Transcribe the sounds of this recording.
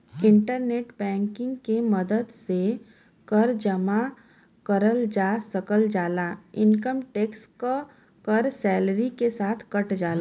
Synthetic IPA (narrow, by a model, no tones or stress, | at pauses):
ɪ̃ɳʈəɾneːʈbɛ̃ːŋkɪ̃ŋɡkemɐd̪əd̪se | kɐɾd͡ʒəma | kɐɾəld͡ʒaːsɐkəld͡ʒaːlaːɪ̃nkəmʈeːksko | kɐɾsɛːlɾikesaːt̪ʰkɐʈd͡ʒaːlaː